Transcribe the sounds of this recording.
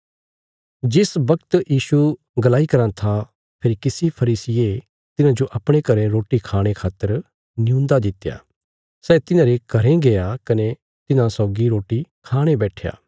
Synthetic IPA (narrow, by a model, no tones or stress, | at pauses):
d͡ʒɪsbɐkt̪jiːʃu | ɡɐlaːikɐɾãt̪ʰa | pʰɪɾkɪsipʰɐɾiːsɪje | t̪ɪnãd͡ʒoʔɐpɽ̃ekɐɾɛ̃ɾoːʈikʰaːɽ̃ekʰaːt̪ːəɾ | nɪjũːnd̪ad̪ɪt̪ːeja̰ː | sɛːt̪ɪnãːɾekɐɾẽɡejakɐne | t̪ɪnãsɔːɡiɾoːʈikʰaːɽ̃ebɛːʈʰeja̰ː